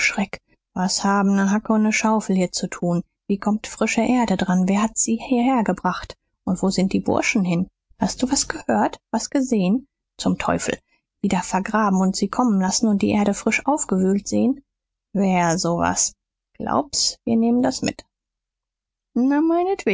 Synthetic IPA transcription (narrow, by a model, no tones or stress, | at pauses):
ʃʁ̥ɛk | vashaːbm̩nəɦakəʊntnəʃaʊfl̩hiːɐt͡sutʰuːn | viːkʰɔmtfʁ̥ɪʃəʔeːɐɾədʁanveːɐhatz̥iːhiːɐheːɐɡəbʁaχt | ʔʊntv̥oːzɪnt̚d̥iːbʊ̰ɐʃn̩hɪn | hast̚d̥uːvasɡ̥əhøːɐtv̥asɡ̥əzeːən | t͡sʊmtʰɔ̰ʏfl̩ | v̥iːdɐfɛɐɡʁaːbm̩ʊntz̥iːkʰɔmənlasn̩ʊnt̚d̥ḭːʔeːɐɾəfʁ̥ɪʃʔaʊfɡ̥əvyːltz̥eːən | veːɐzoːva̰s | ɡ̥lʔa̰ʊp̚sv̥iːɐneːməndasmɪ̰t | namaɪnətv̥eː